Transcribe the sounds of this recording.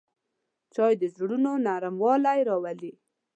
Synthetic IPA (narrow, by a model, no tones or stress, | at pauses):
t͡ʃɑjd̪əzɽunonaɾamwɑlajɾɑwali